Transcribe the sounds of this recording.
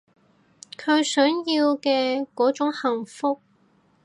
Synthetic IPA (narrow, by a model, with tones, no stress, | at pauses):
kʰɵ˨˧ɥsœː˨˥ŋjiː˧wkɛː˧kɔː˨˥t͡sʊ˨˥ŋhɐ˨˩ŋfʊ˥k̚